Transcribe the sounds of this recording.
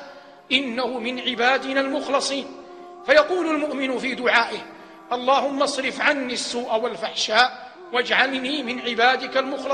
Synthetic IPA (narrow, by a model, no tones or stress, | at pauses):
ʔɪnːahʊmɪnʕɪbaːd̪ɪnaːlmʊxlɑsˤiːn | fajɑquːlalmʊʔmɪnʊfiːd̪ʊʕaːʔɪh | ʔɑlˤːɑːhʊmːɑsˤɾɪfʕanːiːasːuːʔawalfaħʃaːʔ | wad͡ʒʕalniːmɪnʕɪbaːd̪ɪkalmʊxl